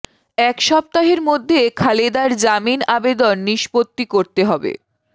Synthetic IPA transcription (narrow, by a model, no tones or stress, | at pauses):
ɛkʃɔb̚t̪aɦeɾmod̪ʱːekʰaled̪aɾd͡ʑaminabed̪onːiʃpot̪ːikoɾt̪eɦɔbḛ